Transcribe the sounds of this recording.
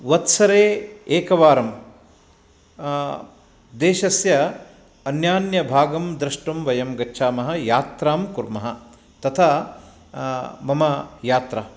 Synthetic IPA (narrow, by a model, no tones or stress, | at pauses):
ʋɐt̪sɐɾeːeːkɐʋaːɾɐm | d̪eːʃɐsjɐ | ɐnjaːnjɐbʱaːɡɐmd̪ɾɐʂʈɐmʋɐjɐmɡɐtːʃʰaːmɐɦɐ̆jaːt̪ɾaːmkuɾmɐɦɐ | t̪ɐt̪ʰa | mɐmɐjaːt̪ɾaː